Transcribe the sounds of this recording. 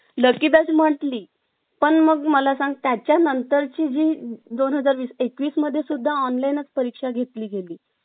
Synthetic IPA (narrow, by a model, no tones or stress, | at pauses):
ləkibasm̤əʈliː | pəɳməɡməlasãŋɡ̚t̪jat͡ɕjanənt̪əɾt͡ɕiːd͡ʑiːd̪onɦəd͡zaɾʋiːsekʋiːsməd̪ʱːjesud̪ʱːaɔnlainət͡spəɾikʂaɡʱet̪liːɡeliː